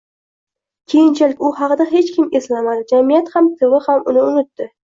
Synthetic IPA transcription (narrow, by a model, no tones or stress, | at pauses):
kʲʰejɪnt͡ʃʰalɪkʲʊhɑqɨd̪aɦe̞t͡ʃkʲʰɪmeslamad̪ɪd͡ʒamijat̪hamt̪ʰɪvɪhamʊnɪʊnɪt̪ːɪ